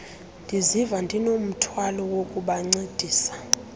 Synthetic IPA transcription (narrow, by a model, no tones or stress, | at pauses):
ndʱizivandʱinom̩tʰwalɔwokʼuɓaŋ͡ǀed̥ʱiːsḁ